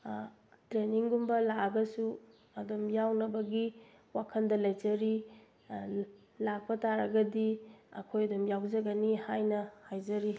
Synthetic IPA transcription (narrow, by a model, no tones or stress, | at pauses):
tɾeniŋɡumbɐlaɐɡɐsu | ɐdomjawnɐbɐɡi | wakʰɐndɐlɐjd͡ʒɐɾi | lak̚pɐtaɾɐɡɐdiɐ̰kʰojɐdumjawzɐɡɐnihajnɐhajzɐɾi